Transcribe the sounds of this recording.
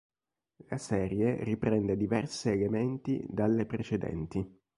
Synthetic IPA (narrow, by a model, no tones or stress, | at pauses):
lasɛːɾjeripɾɛnd̪ed̪ivɛrsiːlement̪ḭd̪alːepɾet͡ʃed̪ɛ̰nt̪i